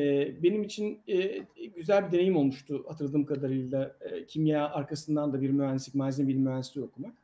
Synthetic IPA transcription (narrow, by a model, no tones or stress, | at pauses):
ɛbe̞nimit͡ʃʰinɛɟyzælʲbid̪e̞ne̞jimo̞lˠmuʃt̪ʰʊhat̪ʰɯɾlˠd̪ɯːmkʰad̪aɾɯjlˠacʰimjaːaɾkasɯnd̪and̪abiɾmyænsitmaːzʲinbilʲmyænsit̪io̞kumak